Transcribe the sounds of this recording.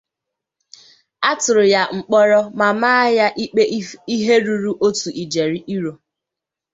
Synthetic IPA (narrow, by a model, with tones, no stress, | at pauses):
a˦tʊ˨ɾʊ˨ja˨ŋ͡m̩˨k͡pɔ˦ɾɔ˦ma˨maː˦a˦ja˦ʔi˦k͡pe˦i˦ɦe˦ɾu˨ɾu˦ʔo˦tu˨ʔi˨d͡ʒe˨ɾi˦ʔi˦ɾo˨